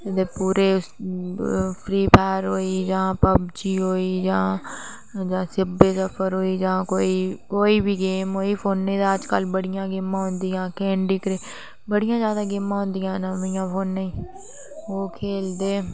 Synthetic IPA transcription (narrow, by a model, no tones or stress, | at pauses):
d̪eːpuːɾeː | pʰɾiːpʰɛːɾɦoːiːd͡ʒãːpəbd͡ʒiːɦoːiːd͡ʒãː | d͡ʒãːsɪbeːsəpʰəɾɦoːiːd͡ʒãːkoːiːkoːiːbiːɡeːmɦoːiːpʰoːnːẽːd̪aəd͡ʒkəlbəɽɪjãːɡɪmːãːɦʊ̃nd̪iːjãːkeːɳɖiːkɾeː | bəɽɪjãːzjaːd̪ãːɡɪmãːɦʊ̃nd̪ijãːnəʋjãːpʰoːnːəĩː | oːkʰeːld̪eː